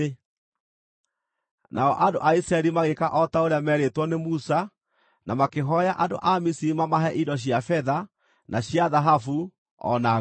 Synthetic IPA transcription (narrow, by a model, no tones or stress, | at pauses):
nʔaɔʔando̰ʔaisɾaɛɾimaɣekaʔɔtaoɾeamɛɾetwɔnemusa | namakeɦɔjaʔando̰ʔamisimamaɦɛʔidɔɕ̬iafɛða | nʔaɕjaðaɦafu | ɔ̰na